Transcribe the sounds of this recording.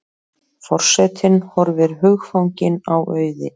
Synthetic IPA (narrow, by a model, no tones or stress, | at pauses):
fɔr̥sɛt̪ʰɪnhɔɾvɪɾɦʏxfawɲcɪnawʔœːɥðɪ̰